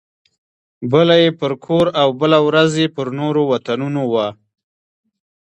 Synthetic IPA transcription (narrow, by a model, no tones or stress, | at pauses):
bəlajepəɾkʰoɾawbəlawɾazjepəɾnoɾowat̪anunowa